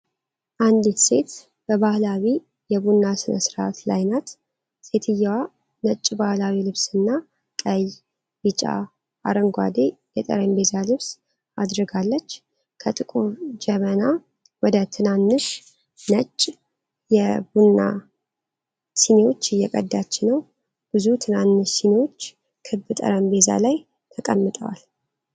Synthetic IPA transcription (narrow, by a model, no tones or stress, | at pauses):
ʔand̪it̪se̞t̪ | b̥əβahlawi | jɛbunːasɨnəsɾat̪la̰jnat̪ | se̞t̪ʰɨjːawa | nət͡ʃʼːbahlawilɨβsɨnːa | kʼəj | bɨt͡ʃʼa̰ | a̰ɾəŋɡʷa̰d̪e̞jɛt̪ʼə̰ɾembezalɨβs | ad̪ɾɨɡalːət͡ʃː | kʰət̪ʼɨkʼuβd͡ʒɛməna | wɔd̪ət̪ʰɨnanːɨʃ | nət͡ʃʼː | jɛbunːa̰ | sinewo̞t͡ʃːɪjːɛkʼəd̪ːat͡ʃːɪnəw | b̥ɨzut̪ʰɨnanːɨʃsinewo̞t͡ʃː | kʰɨbɨt̪ʼə̰ɾəmbe̞za̰laj | t̪ʰəkʼəmːɨt̪ʼə̰wa̰l